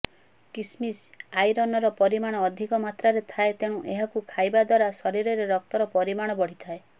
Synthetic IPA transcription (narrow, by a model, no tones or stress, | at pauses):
kismisajɾɔnɔɾɔpɔɾimaɽ̃ɔːd̪ʱikɔmat̪ɾaɾet̪ʰaet̪eɽ̃uʔeɦakukʰajbad̪waɾasɔɾiɾɔɾeɾɔk̚t̪ɔɾɔpɔɾimaɽ̃ɔbɔɽ̤it̪ʰae